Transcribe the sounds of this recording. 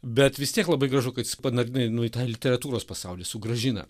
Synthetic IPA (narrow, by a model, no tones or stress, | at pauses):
bʲɛt̪ʋʲɪst̪ʲiɛklˠɐbɐɪɡɾɐʒʊkɐt̪jɪspɐnɐɾʲɪnɐnʊɪt̪ɑːlʲɪt̪ʲɛɾɐt̪uːɾoːspɐsɑʊlʲiɛsʊɡɾɐʒʲɪnɐ̰